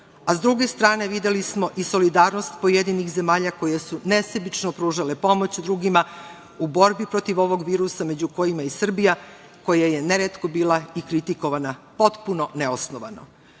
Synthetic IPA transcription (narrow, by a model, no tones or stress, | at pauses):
azd̪ɾuɡe̞st̪ɾaːne̞ʋid̪jelismo̞ʔiso̞lid̪aːɾno̞st̪po̞jed̪inixze̞maːʎako̞jesune̞sebit͡ʃnopɾuːʒale̞po̞mo̞t͡ɕd̪ɾuɡima | ubo̞ɾbipɾo̞t̪iʋo̞ʋo̞ɡʋiːɾusame̞d͡ʑuko̞jimaisr̩bija | ko̞jaje̞ne̞ɾet̪ko̞biːlˠaikɾit̪iko̞ʋanapo̞t̪puno̞neosnoʋa̰no̰